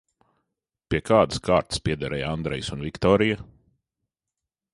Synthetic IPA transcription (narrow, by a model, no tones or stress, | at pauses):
pʲiɛkʰaːd̪skʰaːɾt̪spʲiɛd̪aɾɛjand̪ɾɛjsunvikt̪ɔːɾija